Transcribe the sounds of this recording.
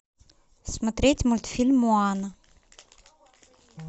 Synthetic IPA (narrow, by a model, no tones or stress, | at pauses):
simat̪ɾet̪imult̪u̥filmuanə